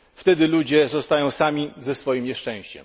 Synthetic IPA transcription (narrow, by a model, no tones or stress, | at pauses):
ft̪ɛd̪ɘlud͡ʑɛzɔst̪ajɔ̃w̃samʲizɛsfɔjimɲɛʂt͡ʂɛ̃w̃ɕt͡ɕɛ̰m